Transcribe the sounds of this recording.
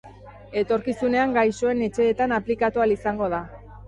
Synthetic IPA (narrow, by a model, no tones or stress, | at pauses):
e̞t̪o̞ɾkisune̞aŋɡajso̞e̞ne̞t͡ʃe̞ːt̪anaplikat̪ualisaŋɡo̞ð̞a